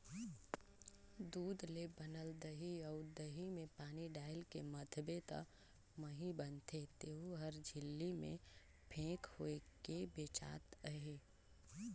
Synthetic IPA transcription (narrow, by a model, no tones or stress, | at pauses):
d̪uːd̪lebənəld̪əɦiɔʊd̪əɦimẽpaːniɖaːɪlkemət̪ʰbet̪ə̰ | məɦibənt̪ʰet̪eːɦuɦəɾd͡ʒʱɪlːimḛ̃ | pʰẽːkhoekebeːt͡ʃa̰ːt̪əɦeː